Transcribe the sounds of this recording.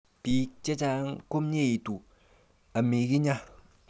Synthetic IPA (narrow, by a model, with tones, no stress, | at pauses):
pi˨˦t͡ʃe˦t͡ʃa˦ŋko˦m˦ɲe˦i˨tu˨ | a˨mi˨ki˦ɲa˦